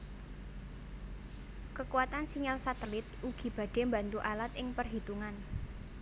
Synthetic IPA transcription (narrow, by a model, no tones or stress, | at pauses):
kəkuwat̪ansiɲalsat̪əlɪt̪̚ʔuɡ̥i̤b̥ä̤d̥e̤mbant̪uʔalat̪ɪŋpərɦit̪uŋan